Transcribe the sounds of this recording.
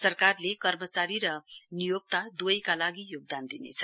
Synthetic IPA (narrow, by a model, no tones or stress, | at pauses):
sʌrkarlekʌrmʌt͡saɾiɾʌnijoɡ̚t̪ad̪ujkalaɡijoɡ̚d̪and̪inḛt͡sʰʌ̥